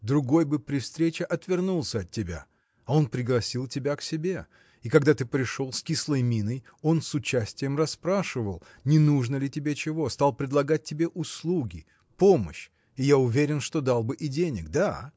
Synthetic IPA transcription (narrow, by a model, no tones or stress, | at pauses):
d̪ɾʊɡo̞jbɨpɾʲɪfst̪ɾʲet͡ɕɪʔɐt̪vʲɪrnulˠsʲəɐt̪̚ʲːɪbʲa̰ | ɐo̞npɾʲɪɡlˠɐsʲilˠtʲɪbʲaksʲɪbʲe̞ | ɪkɐɡd̪at̪ɨpɾʲɪʂo̞lˠskʲislˠəjmʲinəj | o̞nsʊt͡ɕæsʲtʲɪjəmrɐspɾaʂɨvəlˠ | nʲɪnuʐnəlʲɪtʲɪbʲet͡ɕɪvo̞st̪alˠpɾʲɪd̪lˠɐɡat̚ʲtʲːɪbʲe̞ʔʊslˠuɡʲɪ | po̞mə̰ɕ | ɪjaʊvʲeɾʲɪnʂt̪o̞d̪alˠbɨʔɪdʲenʲɪkd̪a